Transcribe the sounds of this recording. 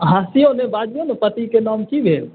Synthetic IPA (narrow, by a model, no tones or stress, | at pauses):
ɦãsijõnebaːd͡ʒijonepət̪ikenɔːmkibʱeːl